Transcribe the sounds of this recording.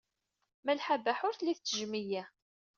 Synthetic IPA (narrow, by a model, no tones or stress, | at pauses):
mælħabæħʊɾθlːiθt͡sːəʒmijæ